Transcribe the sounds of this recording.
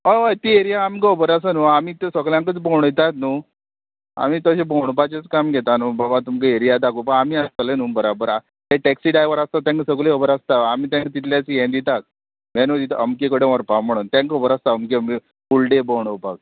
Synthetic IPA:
əʋajt̪ieɾijaːmkəbəɾasanuamiːt̪əsəɡljãŋkət͡sbowɳ̃əjt̪at̪nu | a̰miːt̪əɕeboɳ̃pat͡ɕet͡skamɡʱet̪anuːbabat̪umkəeɾijad̪akupəɳ̃amiːast̪əlenuːbəɾabəɾa | t̪ɛʈɛksiɖajʋəɾast̪at̪ãŋksəɡleəbəɾast̪aamiːt̪ãŋkt̪it̪ljat͡sjẽnd̪it̪ak̚ | mɛnod̪it̪əmkekəɽeʋəɾpakm̤əɽ̃uːnt̪ãŋkobəɾast̪aəmkem | fulɖebəwɽ̃əpak̚

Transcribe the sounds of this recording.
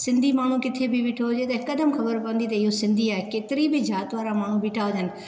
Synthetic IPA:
sɪ̃nd̪ʱimaːɳ̤ũkɪt̪ʰebʱɪʋɪʈʰoɦʊd͡ʑet̪ɐɦɪkɐd̪əmxɐbəɾpɐə̃n̆d̪it̪̬ɐɪɦosɪ̃nd̪ʱiaːɦekeːt̪ɪɾibɪd͡ʑaːt̪ʋaːɾamaːɳ̤ũbɪʈʰaɦʊd͡ʑ̪ʱənɪ̆

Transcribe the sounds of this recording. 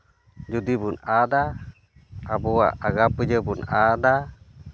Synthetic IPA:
d͡ʒudibunada | abuwa̰ʔaɡapəd͡ʒəbunada

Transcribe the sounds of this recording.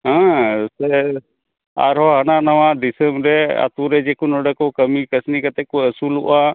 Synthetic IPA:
ɦãsɛ | a̰ɾɦɔɦɐnaːnɐʋãd̪isəmɾɛə̰t̪uɾɛd͡ʒekunɔɖəkokəmikəsnikət̪ɛkuəsulṵʔa

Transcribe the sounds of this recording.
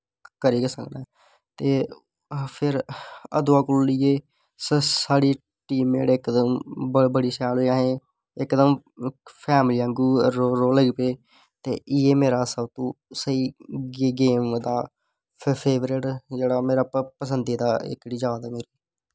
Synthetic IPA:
kəɾiːɡeːsəknaː | t̪eː | pʰɪɾəd̪ʊaːkʊllɪːeː | ssaːɽiː | ʈiːmḛːɽeɪkd̪əmbəbəɽiːsɛːloãːɦẽː | ɪkd̪əmpʰɛːmliːãːŋɡuːɾoɾoːləɡpeː | t̪eːʔɪjeːmeːɾaːsəbt̪ũːsəiːɡeːmd̪aː | pʰeːʋɾɪʈd͡ʒeːɽaːmeːɾaːppəsənd̪iːd̪aːɪ̰kɽiːd͡ʒjaːd̪aːmeːɾiː

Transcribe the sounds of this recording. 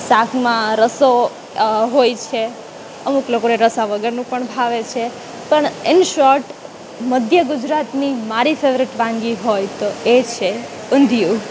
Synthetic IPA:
sakʰmãɾəso | ɦojt͡ʃʰe | əmuklokoneɾəsaʋəɡəɾnũpəɳbʱaʋet͡ʃʰe | pəɳɪnʃɔɾʈ | məd̪ʱjəɡud͡ʒɾat̪nimaɾifʰeʋɾɪʈʋãŋɡiɦojt̪oet͡ʃʰe | ʊnd̪ʱjũ

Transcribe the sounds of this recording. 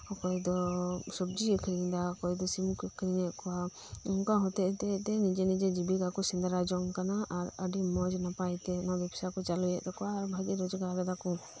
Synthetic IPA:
ɔkɔjd̪ɔsɔbd͡ʒiəkʰɾiɲd̪aɔkɔjd̪ɔsimukəkʰɾiɲɛʔkɔwa | ɔnkaɦɔt̪ɛʔt̪ɛt̪ɛnid͡ʒɛnid͡ʒɛd͡ʒibikakɔsɛnd̪aɾad͡ʒɔŋkanaʔaɾəɖimɔd͡ʒnapajt̪ɛnɔbɛpʰsakɔt͡ʃalujɛʔd̪ɔkɔaːɾbʱaɡɛɾɔd͡ʒɡaɾabɛd̪akɔ

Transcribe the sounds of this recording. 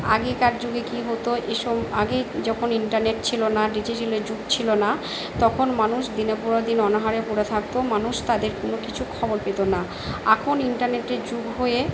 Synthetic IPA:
a̰ɡekaɾd͡ʑoɡekiɦot̪oʔeʃɔbaɡed͡ʑɔkʰoniɳʈaɾneʈt͡ɕʰilonaɖid͡ʑiʈeled͡ʑuɡt͡ɕʰilona | t̪ɔkʰonmanuʃd̪inepuɾad̪inɔnaɦaɾepoɾet̪ʰak̚t̪omanuʃt̪ad̪eɾkonokit͡ɕʰukʰɔboɾpet̪ona | akʰoniɳʈaɾneʈed͡ʑuɡɦoe

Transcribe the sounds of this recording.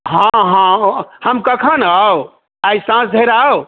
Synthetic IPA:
ɦãɦãhəmkəkʰənao | ajsãsd̪ʱeɾao

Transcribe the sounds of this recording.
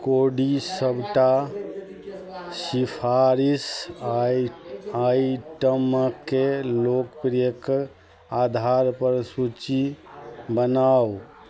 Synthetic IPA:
koɖisəbʱʈa | sipʰaɾis | aiʈəməkːelokpɾijək | ad̪ʱaɾpəɾsut͡ʃi | bənaw

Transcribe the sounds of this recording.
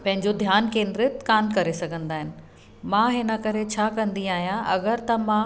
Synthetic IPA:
pɐ̃ɦɪ̃ɲd͡ʑod̪ʱjaːnkẽːnd̪ɾɪt̪kaːmkɐɾesɐɡʱə̃nd̪aːɦɪnɪ̆ | mãːɦɪnəkɐɾet͡ɕʰaːkɐ̃nd̪iaːɦijãʔɐ̰ɡəɾt̪ɐmãː

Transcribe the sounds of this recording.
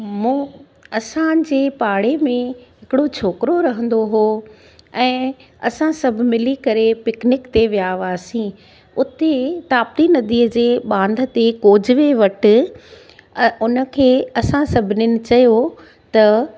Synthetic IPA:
mũː | ɐsãd͡ʑeːpaːɽemẽɦɪkɪɽot͡ɕʰoːkɪɾoɾɐɦə̃n̆d̪oɦoː | ɛ̃ː | ɐsãsɐb̆ʱmɪlikɐɾepɪknɪkt̪eʋijaːʋaːsĩ | ʊt̪et̪aːp̚t̪inɐd̪iːəd͡ʑeːɓãːnd̪ʱə̆t̪ekoːd͡ʑʱɪʋeʋɐʈɪ̆ | ʊnə̆kʰeːɐsãsɐbʱɪnɪnɪ̆t͡ɕɐjo | t̪ɐ

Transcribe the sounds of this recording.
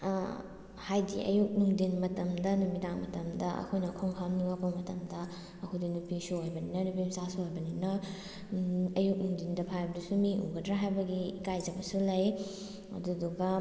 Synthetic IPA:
hajdḭʔɐ̰juk̚nuŋdinmɐtɐmdɐnumidaŋmɐtɐmdɐɐ̰kʰojnɐkʰoŋkʰamniapamɐtɐmdɐ | ɐkʰojdinupisuɦojbɐninɐnupimsasuɦojbɐninɐ | ɐjuk̚nuŋdindɐpʰajbɐdusumiʔṵɡɐdɾaɦajbɐɡikajd͡ʒɐbɐsulɐj | ɐ̰duduɡɐ

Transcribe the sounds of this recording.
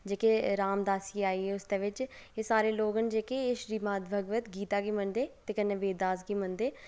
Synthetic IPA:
d͡ʒeːkeɾaːmd̪aːsiːaːiːɛːʊsd̪eːʋɪt͡ʃeːsaːɾeːloːɡənd͡ʒeːkeʃɾiːmaːt̪bʱəɡʋət̪ɡiːt̪aːɡiːmənd̪eːt̪eːkənːẽːʋeːd̪aːzɡiːmənd̪eː

